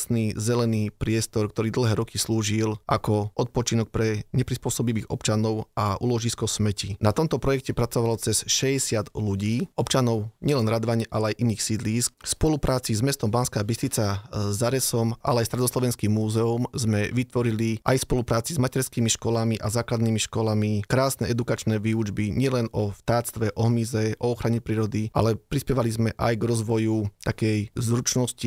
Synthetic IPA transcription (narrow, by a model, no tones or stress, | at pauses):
snizɛlɛniːpɾɪɛst̪ɔɾkt̪ɔɾiːd̪l̩ɦɛːɾɔkisluːʒilʔakɔʔɔt̪̚pɔt͡ʃinɔk̚pɾɛɲɛpɾispʊɔsɔbiʋiːɣɔ̰pt͡ʃanɔʊaʔṵlɔʒiskɔsmɛcinat̪ɔmt̪ɔpɾɔjɛkcɛpɾat͡sɔʋalɔt͡sɛsʃɛɛsɪad̪luɟiːɔpt͡ʃanɔʊɲɪɛlɛnɾad̪ʋaɲʔalɛajʔiniːxsid̪liːskspɔlupɾʔaːt͡sizmɛst̪ɔmbaːnskaːbist̪it͡sazːaɾɛsɔma̰lɛajst̪ɾɛd̪ɔslɔʋɛnskimːuːzɛumzmɛʋit̪ʋɔɾiliʔa̰jspɔlupɾaːt͡sizmacɛɾskiːmiʃkɔlamiʔazaːklad̪niːmiʃkɔlamikɾaːsnɛɛd̪ukat͡ʃnɛːʋiːud͡ʒbiɲɪɛlɛnɔft̪aːt͡st̪ʋɛʔɔɦmizɛʔɔɔxɾaɲɛpɾiːɾɔd̪iʔa̰lɛpɾispjɛʋalizmɛʔajɡɾɔzʋɔjut̪akɛjzɾut͡ʃnɔsci